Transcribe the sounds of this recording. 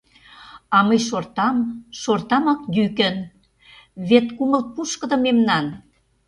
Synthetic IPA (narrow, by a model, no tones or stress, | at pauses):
ɑməjʃort̪ɑmʃort̪ɑmɑkd̪ykə̆n | βet̪kuməlt̪̚puʃkə̆d̪ɤ̆memnɑn